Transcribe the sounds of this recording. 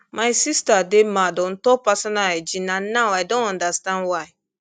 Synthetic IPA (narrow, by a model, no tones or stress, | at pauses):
majsistademadõntɔpasɔ̃naɛd͡ʒĩnãnawajdõnãndastãndwaɪ